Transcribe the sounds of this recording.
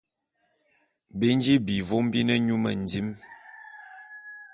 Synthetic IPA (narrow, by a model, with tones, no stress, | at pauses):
be˦n˦d͡ʒi˦bi˨vo˦m˦bi˦nə˦ɲu˦mə̰˨n˨di˦m